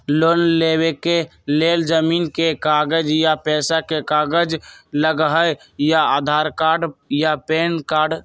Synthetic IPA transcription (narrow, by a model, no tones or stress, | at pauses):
loːnlewekeleːld͡ʒəmiːnkekaːɡəd͡ʒjapɛːsakekaːɡəd͡ʒləɡɦəj | jaaːd̪ʱaːɾkaːɾɖjapeːnkaːɾɖ